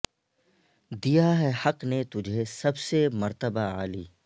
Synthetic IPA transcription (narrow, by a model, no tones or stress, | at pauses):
d̪ijaɦɛhɐqnet̪ʊd͡ʒʱesɐbsemɐɾt̪əbaaːlḭː